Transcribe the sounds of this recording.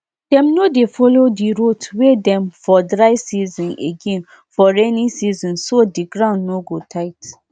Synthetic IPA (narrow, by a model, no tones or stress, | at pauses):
d̥ɛ̃mnodefɔlodiɹotwedɛ̃mfɔdɹaɪsizɔ̃neɡɛ̃n | fɔɹɛnĩsizɔ̃nsodiɡɹãʊ̃ndnoɡotʰaɪt